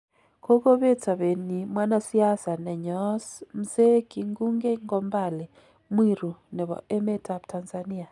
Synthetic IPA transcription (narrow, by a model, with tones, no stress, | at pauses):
ko˦ko˦βe˦ta˨βe˨ni˨mwa˦na˦si˦a˦sa˨nɛ˨ɲɔsm̩˨ze˦ki˨ŋɡu˦ŋɡe˦ŋɡɔmbalɛ | mwiɾu˨nɛ˨βɔ̰˨ʔe˦me˦tʰa˨ptʰanzani˦a˨